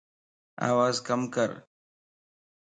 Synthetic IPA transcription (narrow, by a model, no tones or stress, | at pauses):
a̰ːʋaːzkəmkəɾ